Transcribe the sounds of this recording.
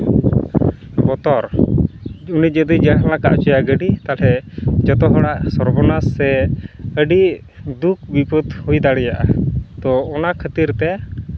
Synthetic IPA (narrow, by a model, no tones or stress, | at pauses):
bɔt̪ɔɾ | unid͡ʒəd̪id͡ʒalaka̰ʔt͡ʃɔjaɡəɖit̪alɛd͡ʒɔt̪ɔɦɔɽaʔsɔɾbɔnasːɛəɖi | d̪uk̚bipət̪hujd̪aɽɛjaʔad̪ɔɔnakʰət̪iɾt̪ɛ